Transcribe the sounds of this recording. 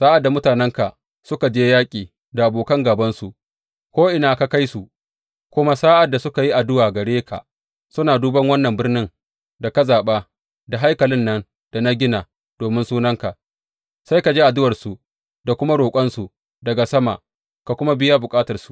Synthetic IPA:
saː˦ʔa˨dːa˨mʊ˦taː˨nɛ˦ŋka˨ | sʊ˦ka˨d͡ʒeː˦jaː˦kʲʼiː˨ | da˨ʔa˨boː˨kɐ˦ŋɡaː˨bɐ˦nsu˨ʔ | kʷoː˦ʔɪ˨naː˨ka˨ka˦jsu˨ʔ | kʷʊ˦ma˦saː˦ʔa˨dːa˨sʊ˦ka˨ji˦ʔa˨dʊ˦waː˨ɡɐ˨ɽeː˦kʰa̰˨ʔ | sʊ˦naː˨duː˦bɐ˦ŋwɐ˦nːɐ˨mbɪ˦rnɪ˦ŋ | da˨kɐ˦zaː˨ɓaː˦ | da˨ɦa˦jkɐ˨lɪ˦nːɐ˦n | d̥a˨na˦ɡʲɪ˦na˨ | d̥oː˨mɪ˦nsuː˦nɐ˦ŋka˨ | sa˦jka˨d͡ʒeː˦ʔa˨dʊ˦wɐ˨rsu˨ | da˨kʷʊ˦ma˦ɽoː˨kʷʼɐ˦nsu˨ | dɐ˨ɡa˨sɐ˦ma̰˨ | ka˨kʷʊ˦ma˦bɪ˦ja˦bʊ˨kʼaː˦tɐ˨rsu̥˨

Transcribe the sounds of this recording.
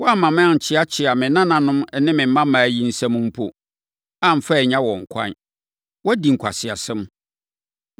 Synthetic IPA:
wɔ˦a˦mã˨mɪ̃˦a˨ɲ̩˨t͡ɕʰɪ˦a˦t͡ɕʰɪ˨a˨mɪ̃˨nã˦nã˨nʊ̃˦m˦nɪ̃˦mɪ̃˨m̩˦mã˦mãː˨ji˦n̩˦sɛ̃˦mũ˦m̩˦pʰo˨ | ã˨m˨fɛ˦˨ɲã˦wɔ̃˨ŋ̩˨kʷʰã̰˦n | wɔ˦di˨ŋ̩˨kʷʰa̰˨sɪ˨a˨sɪ̃˦m

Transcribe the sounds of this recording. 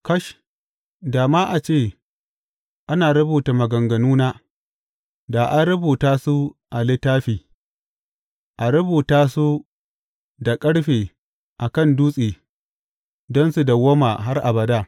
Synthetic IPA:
kɐ˦ʃ | daː˨maː˦ʔa˨t͡ʃeː˦˨ | ʔa˦naː˨ɾɐ˦buː˨ta˨mɐ˨ɡɐ˨ŋɡɐ˨nuː˦naː˦ | daː˨ʔa˦nɾɐ˦buː˨taː˦su˦ʔa˨lɪ˦tːaː˦ɸiː˨ | ʔa˨ɾɐ˦buː˨taː˦su˦ | da˨kʼɐ˦ɽɸeː˨ | ʔa˨kɐ˦˨nduː˦sʼeː˨ | dɔ˦nsu˨da˨wo˦ma˨ɦa˦rʔa˨bɐ˨daː˦˨

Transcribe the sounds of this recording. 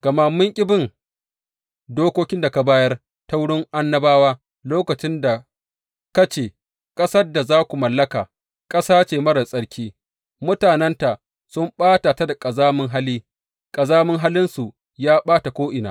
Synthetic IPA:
ɡ̥ɐ˨ma˦mːʊ˦ŋkʲʼɪ˦bɪ˦ŋ | doː˦kʷoː˦kʲɪ˦nda˨ka˨baː˦jɐ˦r | ta˦wʊ˦ɽɪ˦ŋʔa˦nːɐ˦baː˦waː˦ | loː˦kɐ˨t͡ʃɪ˦nda˨ | kɐ˦t͡ʃeː˨ | kʼɐ˦sɐ˦rda˨zaː˦kʷu˨mɐ˨lːɐ˦kaː˨ | kʼɐ˦saː˦t͡ʃeː˨mɐ˦ɽɐ˨sʼɐ˦ɽkʲʰiː˦ | mʊ˦taː˨nɛ˦nta˨ʔ | sʊ˦mɓaː˦ta˨ta˦da˨kʼɐ˨zaː˦mɪ˦ŋɦa˦liː˦ | kʼɐ˨zaː˦mɪ˦ŋɦa˦lɪ˦nsu˨ | jaː˦ɓaː˦ta˨kʷoː˦ʔɪ˨naː˨

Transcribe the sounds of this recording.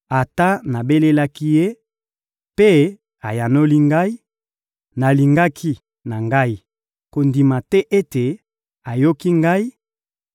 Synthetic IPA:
a˨ta˦na˨be˦le˦la˦ki˦je˦ | pe˦ | a˨ja˨no˦li˦ŋɡa˦i˦ | na˨li˨ŋɡa˦kʰi˦ | na˨ŋɡa˦i˦ | ko˨ndi˨ma˨tɛ˦ʔe˦te˨ | a˨jo˦ki˦ŋɡa˦i˦

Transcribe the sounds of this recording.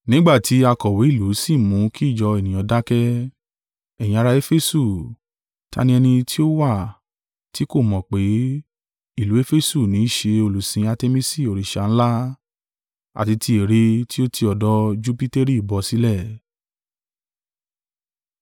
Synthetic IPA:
nĩ˦ɡ͡ba˦˨ti˨˦a˧kɔ˨we˨˦i˦˨lu˨˦si˦˨mũ˨˦kʰi˦˨d͡ʒɔ˧e˨nĩ˨j̃ɔ̃˨˧˦da˦kɛ˦ | ɛ˨jĩ˧a˧ɾa˧e˦fe˦su˦˨ | ta̰˧˦nĩ˧ɛ˧nĩ˧tʰi˦o˦wa˦˨ | ti˨˦ko˦˨mɔ̃˨k͡pe˨˦ | i˦˨lu˨˦e˦fe˦su˦˨nĩ˨˦ʃe˧o˧lu˨sĩ˧a˧te˧mĩ˦si˦˨o˨ɾi˨ʃa˨ñ̩˦la˦ | a̰˨ti˧tʰi˧e˨ɾe˧ti˦o˦tʰi˧ɔ˨dɔ˦d͡ʒu˦pi˦te˦ɾi˦i˨bɔ˧si˨˦lɛ˦˨

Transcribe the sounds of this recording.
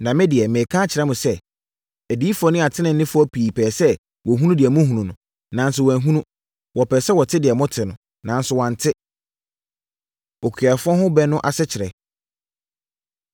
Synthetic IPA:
nã˨mɪ̃˦dɪ˨ɛ˨mɪ̃˨kʰã˦t͡ɕʰɪ˨ɾɛ˦mʊ̃˨sɛ˦ | ɛ˨di˨˦i˦fɔ˦nɪ̃˦a˨tʰɪ˦nɪ̃˨n̩˦nɪ̃˦fʊ˦ɔ˦pʰiː˨pʰɛː˨sɛ˦ | wɔ˨ɦũ˦ũ˦dɪ˨ɛ˨mʊ̃˦ɦũ˨nũ˨nʊ̃˨ | nã˨˦n˦s̬ʊ˨wæ˨ɦũ˦nũ˦ | wɔ˨pɛː˨sɛ˦wɔ˨tʰɪ˦dɪ˨ɛ˨mʊ̃˦tʰɪ˨nʊ̃˨ | nã˨n˦sʊ˨wɔ̃˨n̩˨tʰɪ˦ | ɔ˨kʰɥa˨fʊ˦ɔ˦hʊ̃˦bɛ˦nʊ̃˦ʔa˨sɛ˦t͡ɕʰɪ˨ɾɛ̰˨

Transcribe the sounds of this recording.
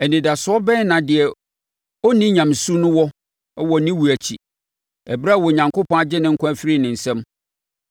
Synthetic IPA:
ɛ˨nĩ˨da˨sʊ˨˦ɔ˦bɛ̃˦nã˨dɪ˨ɛ˨ | ɔ˦nĩ˦ɲã˨m˨su˦nʊ̃˦wɔ˦ | ɛ˦wɔ˨nĩ˦wu˨æ˨t͡ɕʰi˨ | ɛ˨bɾa˦˨wɔ˨ɲã˨ŋkʰʊ˦pʰɔ̃˦a˦d͡ʑɪ˦nɪ̃˨ŋ̩˦kʰʊ̃˦æ˦fɪ˦ɾi˦˨nɪ̃˨n̩˨sɛ̃˦m

